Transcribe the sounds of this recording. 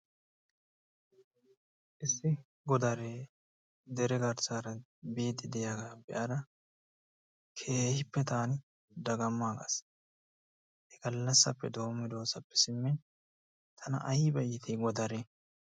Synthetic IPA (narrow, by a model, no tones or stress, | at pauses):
ʔɪsːɪ | ɡɔd̪ɐɾeː | d̪ɛɾɛɡɐɾsaːɾɐ | beːd̪ːɪd̪ɛjaɡaːbɛʔad̪ɐ | kʰeːhɪpːɛt̪aːn | d̪ɐɡɐmːaːɡɐ̰s | hɛɡɐlːɐsːɐpːɛd̪o̞ːmːɪd̪o̞ːsɐpːɛ̥sɪmːɪn | t̪ʰɐnɐ̰ʔɐjbɐjːɪt̪ʰiɡɔd̪ɐɾeː